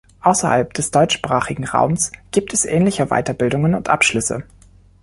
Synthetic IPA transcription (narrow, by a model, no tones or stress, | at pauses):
ʔaʊsɐha̰lpd̥ɛsd̥ɔʏt͡ʃʃpʁ̥aːχɪɡŋ̩ʁa̰ʊmsɡ̥iːp̚tʰɛsʔɛːnlɪçəva̰ɪtɐbɪldʊŋənʊntʔapʃlʏsə̰